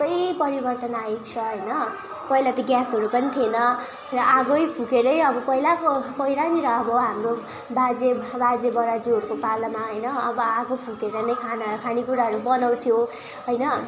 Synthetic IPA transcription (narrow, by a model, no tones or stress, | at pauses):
kʌjpʌɾibʌrt̪ʌnajek̚t͡sʰʌɦʌjnʌ | pʌɦilat̪ʌɡjasɦʌɾupʌnit̪ʰienʌ | rʌʔaɡojpʰũkeɾʌjʌbʌpʌɦilakopʌiɾaniɾʌːbʌɦamro | bad͡zebad͡zebʌɾad͡zuɦʌɾukopalʌmaɦʌjnʌʌbʌaɡopʰũkeɾʌnʌjkʰanakʰanikuɾaɦʌɾubʌnaw̃t̪ʰijo | ɦʌjnʌ